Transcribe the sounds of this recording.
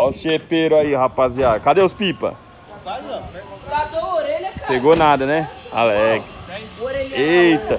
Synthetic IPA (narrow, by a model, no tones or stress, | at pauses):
asepeɾʊaihapaziad̪ʊkad̪eʊspipɐ̰ | at̪oɾpeɡonad̪ɐnɛa̰lɛɡɪs | ejt̪ɐ